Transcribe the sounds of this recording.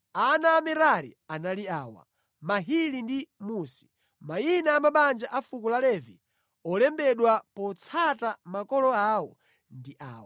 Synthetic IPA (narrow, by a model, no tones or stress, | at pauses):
anaːmɛɾaɾḭanaliaːwa̰ | maɦilindimusi̥ | mainaːmaɓand͡ʒaʔafukulalɛvi | ɔlɛmbɛɗwapɔt͡sʰatamakɔlɔawɔ̰ | ndiʔa̰ːwa